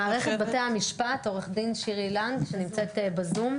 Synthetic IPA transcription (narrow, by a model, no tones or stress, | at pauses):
aːʁeχet̚bat̪eaamiʃpato̞ʁeχd̪inʃiʁilanɡʃenimt͡set̪bazum